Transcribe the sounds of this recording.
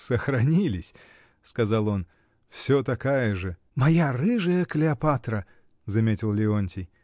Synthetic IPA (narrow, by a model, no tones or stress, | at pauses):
səxɾɐnʲilʲɪsʲ | skɐzɑlˠo̞n | fsʲot̪ɐkajəʐɨ | mɐjarɨʐɨjəklʲɪɐpat̪ɾə | zɐmʲetʲɪlˠlʲɪonʲtʲɪj